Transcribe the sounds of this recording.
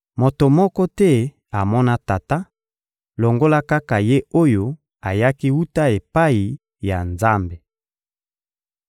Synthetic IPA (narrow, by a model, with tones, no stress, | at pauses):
mo˨to˨mɔ˦kɔ˦tɛ˦ | a˨mɔ˦na˦ta˨ta˦ | lo˨ŋɡo˦la˦ka˦ka˨je˦o˦jo˦ | a˨ja˦ki˦wu˦ta˦e˨pa˦i˨ | ja˨nza˦mbe˨